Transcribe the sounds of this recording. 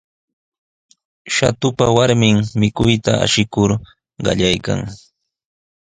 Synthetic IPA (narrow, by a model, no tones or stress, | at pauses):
ʃat̪ʊpawaɾmɪŋmɪkʊjt̪aa̰ʃɪkʊɾ | ɢɑ̰ʎajka̰ŋ